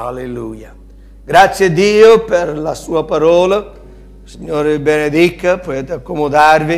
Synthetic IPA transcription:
a̰lelṵja | ɡɾat̪sjed̪iːopeɾlasuːapaɾɔːla | siɲoːɾɪbened̪ikːapoet̪akːomod̪arvi

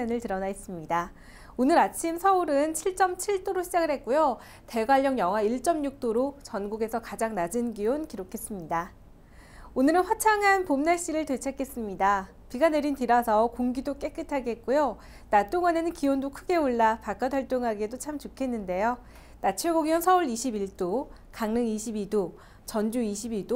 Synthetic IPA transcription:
enɯɭtɯɾʌnais͈ɯmɲida | onɯɾat͡ɕʰimsʰʌuɾɯnt͡ɕʰiɭt͡ɕ͈ʌmt͡ɕʰiɭt͈oɾoɕʰid͡ʑaɡɯɭhe̞t̚k͈ujo | te̞ɡwaʎːʌŋjʌŋɦaiɭt͡ɕ͈ʌmɲuk̚t͈oɾot͡ɕʌnɡuɡe̞sʰʌkad͡ʑaŋnad͡ʑinɡijonkiɾokʰe̞s͈ɯmɲida | onɯɾɯnɸwat͡ɕʰaŋɦanpomnaɕ͈iɾɯɭtwe̞t͡ɕʰak͈ʰːe̞s͈ɯmɲida | piɡane̞ɾintiɾasʰʌkoŋɡidok͈e̞k͈ɯtʰaɡeet̚k͈ojo | nat͈oŋane̞nɯnkiondokʰɯɡe̞oɭːapak͈adaɭt͈oŋɦaɡedot͡ɕʰamt͡ɕukʰe̞nːɯnde̞jo | nat͡ɕʰeɡoɡiwʌnsʰʌuɭiɕʰibiɭt͈o | kaŋnɯŋiɕʰibido | t͡ɕʌnd͡ʑuiɕʰibiɭdo

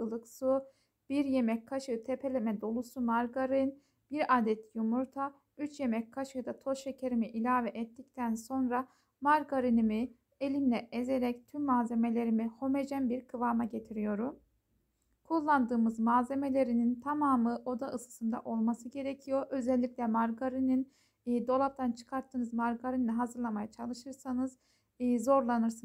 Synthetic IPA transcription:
ɯlˠɯksu | b̥iɾje̞mɛckʰaʃɯt̪ʰepʰe̞lʲemɛd̪o̞lˠusumaɾɡaɾɯn | b̥iɾaːd̪ɛt̪jumuɾt̪ʰa | yt͡ʃje̞mɛc̚kʰaʃɯd̪at̪ʰo̞ʃe̞cʰeɾimiʔilʲaːvɛʔɛt̪ːic̚t̪ʰænso̞nɾa | maɾɡaɾinimi | elʲinlʲɛeze̞ɾɛct̪ʰymːaːze̞me̞lʲe̞ɾimiho̞me̞d͡ʒænbiɾkʰɯvaːmaɟe̞t̪ʰiɾijo̞ɾum | kʰulˠːand̪ɯːmɯzmaːze̞me̞lʲe̞ɾinint̪ʰamaːmɯʔo̞d̪aʔɯsɯ̥sɯnd̪a̰ʔo̞lˠmasɯɟe̞ɾecʰijo̞ɾʔø̞zɛlʲːiclʲɛmaɾɡaɾininː | d̪o̞lˠap̚t̪ʰant͡ʃʰɯ̥kʰaɾt̪ʰːɯːnɯzmaɾɡaɾinlaɦazɯɾlˠamajat͡ʃʰalˠɯʃɯɾsanɯz | zo̞ɾlˠanɯɾsɯn

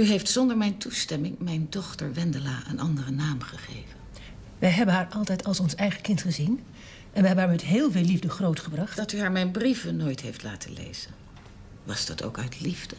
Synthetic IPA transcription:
yɦejftsɔndəɹmɛjntustɛmɪŋmɛjndɔχtəɹʋɛndəlaːʔə̰nʔɑndərənaːmχəχḛjvən | ʋɛjɦɛbənɦaːɹʔɑlˠtɛjtɑlˠsɔnsɛjχəkɪntχəzin | ɛnʋəɦɛbənɦaːɹmɛtɦɪːlˠveːlivdəχrowtχəbrɑχtd̥ɑtyɦaːɹmɛjnbrivənojtɦejftla̰ːtʰəlḛjz̥ən | ʋɑzdɑtʰo̰wkœɥtlivdə

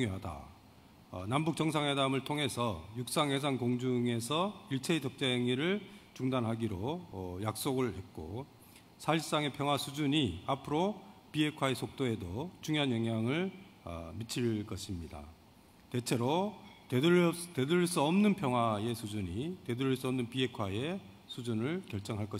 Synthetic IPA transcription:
uŋjoɦada̰ | nambuk̚t͡ɕʌŋsʰaŋwe̞damɯɭtʰoŋɦe̞sʰʌjuk̚s͈aŋɦe̞s̬ʰankoŋd͡ʑuŋe̞sʰʌiɭt͡ɕʰeid͡ʑʌk̚t͡ɕ͈aeŋiɾɯɭt͡ɕuŋdanɦaɡiɾoʌjak̚s͈oɡɯɭhe̞t̚k͈o̰ | sʰais͈aŋe̞pʰjʌŋɦwasʰud͡ʑuɲiapʰɯɾopiɦe̞kʰwae̞sʰok̚t͈oe̞dot͡ɕuŋjoɦanjʌŋɦjaŋɯɭa̰mit͡ɕʰiɭk͈ʌɕʰimɲida̰ | te̞t͡ɕʰe̞ɾotete̞dɯɾiɭs͈uʌmnɯnpʰjʌŋɦwae̞sʰud͡ʑuɲite̞duɾiɭs͈uʌmnɯnpiɦe̞kʰwae̞ | sʰud͡ʑunɯɭkjʌɭt͡ɕ͈ʌŋɦaɭk͈ʌ

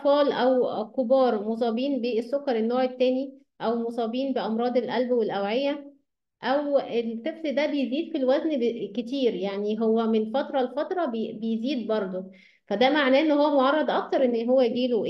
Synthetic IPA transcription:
fɑːlʔæwkobɑːɾˤmos̬ˤɑːbiːnbeesːokːɑɾˤenːoːʕet̪ːæːni | ʔæwmosˤɑːbiːnbeʔɑmɾˤɑːd̪ˤelʔælbwelʔæwʕejːæ | ʔæwelk̪efsed̪æbejeziːd̪filwæznket̪iːɾjaʕniɦowːæmenfɑt̪ɾˤɑlfɑt̪ɾˤɑbbejziːd̪bɑɾˤd̪ˤo | fæd̪æmaʕnæːʔenːohowːæmoʕɑrˤːɑd̪ˤʔɑk̚t̪ɑɾˤʔenːɦowːæjɡiːloʔ

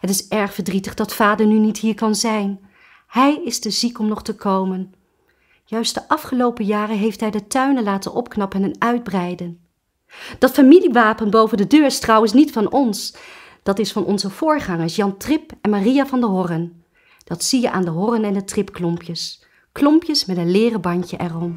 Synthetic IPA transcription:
ɦətɪsɛɹχfəɹdritəχdɑtfaːdəɹnynitɦiːɹkɑnzɛjn | hɛjɪstəzikɔmnɔχtəkowmən | jœɥst̚dəʔɑfχəlowpəjaːrəɦejftɦɛjdətœɥnəlaːtə̰nɔpknɑpənɛnœɥd̚brɛjdən | d̥ɑtfamiliʋaːpənbowvəndədøːɹstrɑwəns̬nitfɑnɔns | d̥ɑtɪsfɑnʔɔ̰nzəv̥ʊːɹχɑŋəɹsjɑntrɪpɛnmarijavɑndəɦɔrən | d̥ɑtsijəʔa̰ːndəɦɔrənɛndətrɪpklɔmpjəs | klɔmpjəsmɛtənlɪːrəbɑɲcəʔɛrɔm

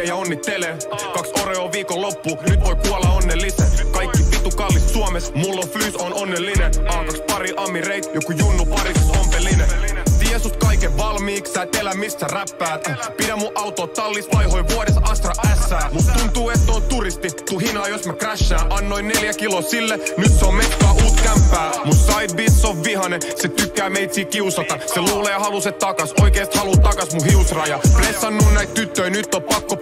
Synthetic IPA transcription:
jɑonːit̪ːele | kɑksoreoːʋiːkolopːunyt̪ʋojkuolːɑonːelːisækɑikːipit̪ukɑlːist̪suomesmulːoflysononːelːineʔɑːkɑkspɑɾiʔɑmːireit̪jokujunːupɑrisompelːinet̪iesut̪kɑikeʋɑlmiːksæːt̪elæmist̪ːæræpːæːt̪piɾæmːuʔɑwt̪oːt̪tɑlːist̪pɑjɦoiʋuoɾesɑst̪rɑʔæsːæːmut̪t̪unt̪uːet̪not̪urist̪it̪uɦinɑːjosmækræʃːæːʔɑnːoinneljækiloːsilːenyt̪seommet̪ːɑːʔuːt̪kæmpːæːmut̪sɑit̪̚bit̪soʋʋihɑneset̪ykːæːmeit̪siːkiusɑt̪ɑseluːleːhɑlusett̪ɑkɑsʔoikeːst̪hɑlut̪ɑkɑsmuhiusrɑːjɑplesːɑnːunnæit̪t̪yt̪ːøjnyt̪ːoppɑkːo

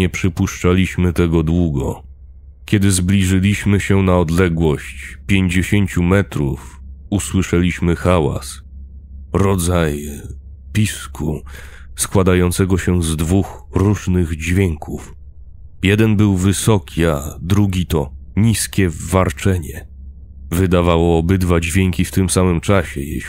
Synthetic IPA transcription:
ɛpʂɘpuʂt͡ʂalʲiɕmɘt̪ɛɡɔd̪wuɡɔ̰ | kʲjɛd̪ɘzblʲiʐɘlʲiɕmɘɕɛnaɔd̪lɛɡwɔɕt͡ɕpʲjeɲd͡ʑeɕeɲt͡ɕumɛt̪ɾṵfuswɘʂɛlʲiɕmɘxawa̰s | ɾɔd̪zaj | pʲiskʰu | skwad̪ajɔnt̪sɛɡɔɕɛzd̪vuxɾuʐnɘɣd͡ʑvʲjɛŋkʰuf | jɛd̪ɛnbɘwvɘsɔkʲʰiad̪ɾuɡʲit̪ɔ | ɲiskʲɛvaɾt͡ʂɛɲɛ | vɘd̪avawɔːbɘd̪vad͡ʑvʲjeŋkʲift̪ɘmsamɘmt͡ʂaɕɛ̰jɛ̰

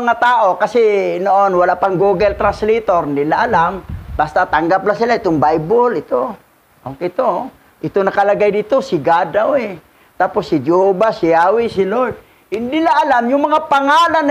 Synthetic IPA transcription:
ŋat̪aːʔokɐsɛnoʔonwalapaŋɡuːɡɛlt̪ɾanslit̪oɾɪnd̪ɪlaʔalamb̥ast̪at̪aŋɡaplasɪlaʔɪt̪oŋbajbolɪt̪o | ʔokɛt̪o | ʔɪt̪onɐkalaɡajd̪it̪osɪɡad̪awɛ | t̪aːposːɪd͡ʒobasɪaːwɪsɪlod̪̚ | hɪnd̪ɪlaʔːlamjʊŋmɐŋapaŋaːlan

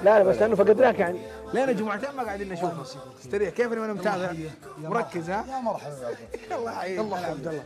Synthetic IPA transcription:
lalabaslɪʔanːufaɡad̪laːkjaʕni | leːnad͡ʒʊmʕat̪eːnmaɡaʕd̪iːnʔaʃuːf | ɪ̥st̪aɾiːħkeːfnːʔanamt̪aːða | mʊɾˤɑkːɪzhaɾˤ | alˤːɑːħaiːlˤːɑabd̪alː

